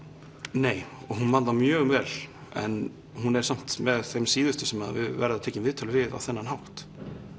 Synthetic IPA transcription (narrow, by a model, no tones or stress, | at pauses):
neːjɔɣɦunmant̪amjœːɣʏmvɛːl | ɛ̰n | ɦunɛɾ̥sam̥t̪mɛðθejmsiːðʏst̪ʏsɛmaðvɪ̰ðvɛ̰ɾaðatʰeːcɪmvɪːðt̪ʰœlʏvɪða̰wθɛnːanɦawht̪